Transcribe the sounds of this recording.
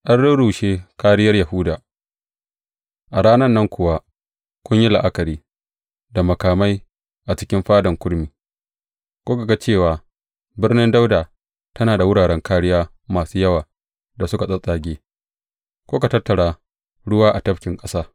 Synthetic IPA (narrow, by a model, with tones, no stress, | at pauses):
ʔa˦nɽʊ˦ɽu˨ʃeː˦kaː˦ɽɪ˦jɐ˦rjɐ˨hʊ˦daː˨ | ʔa˨ɽaː˦nɐ˦nːɐ˦ŋkʰʷʊ˨wa˦ | kʷʊ˦ɲji˦la˨ʔa˦kɐ˨ɾiː˦ | da˨mɐ˨kaː˨ma˦j | ʔa˨t͡ʃɪ˦kʲɪ˦mɸaː˦dɐ˨ŋkʷʊ˦ɽmiː˨ | kʷoː˦ka˨ɡa˦t͡ʃeː˦˨waː˨ | bɪ˦rnɪ˦nda˦wdaː˨ | tɐ˦naː˨da˨wʊ˦ɽaː˨ɽɛ˦ŋkʰaː˦ɽɪ˦jaː˦ | maː˨suː˦jɐ˦waː˨ | da˨sʊ˦ka˨sʼɐ˦sʼaː˨ɡʲeː˦ | kʷoː˦ka˨tɐ˦tːɐ˨ɽaː˦ | ɽʊ˦waː˦ʔa˨tɐ˦ɸkʲɪ˨ŋkʼɐ˦saː˦